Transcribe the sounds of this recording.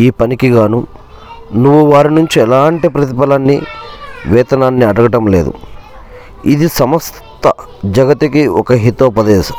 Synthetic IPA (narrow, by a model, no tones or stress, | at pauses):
iːpɐnikiɡaːnu | nuʋːuʋaːɾinuɲt͡ʃiɛlaːɳʈipɾɐt̪̬ipɐlanːi | ʋɛːt̪ɐnaːnːiɐɽɐɡɐʈɐmleːd̪ṵ | id̪isɐmɐs | t̪ɐ | d͡ʒɐɡɐt̪ːikiɔkɐɦit̪opɐd̪eːsɐ